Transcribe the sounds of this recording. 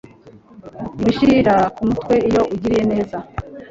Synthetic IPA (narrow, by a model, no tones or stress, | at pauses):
biʃiɾiɾakumutkwe̞ijo̞ʔuɟiɾije̞ne̞ːza